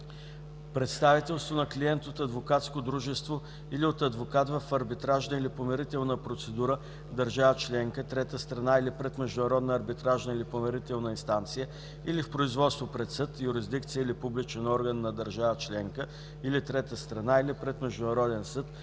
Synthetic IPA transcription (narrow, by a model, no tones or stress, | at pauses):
pɾɛt̪st̪avit̪ɛlˠst̪vonɐkliɛnt̪ot̪ɐd̪vokat̪skod̪ɾuʒɛst̪vo | iliot̪ɐd̪vokat̪vəfɐɾbit̪ɾaʒnəilipomɛɾit̪ɛlˠnəpɾot̪sɛd̪uɾə | d̪əɾʒavət͡ʃlɛŋkət̪ɾɛt̪əst̪ɾɐnailipɾɛt̪mɛʒd̪ʊnɐɾɔd̪nəːɾbit̪ɾaʒnəilipomɛɾit̪ɛlˠnəinst̪ant̪sijə | ilifpɾoizvɔt̪st̪vopɾɛt̪sɤt̪jʊɾizd̪ikt̪sijəilipublit͡ʃɛnɔɾɡənːɐd̪əɾʒavət͡ʃlɛŋkə | ilit̪ɾɛt̪əst̪ɾɐnailipɾɛt̪mɛʒd̪ʊnɐɾɔd̪ɛnsɤt̪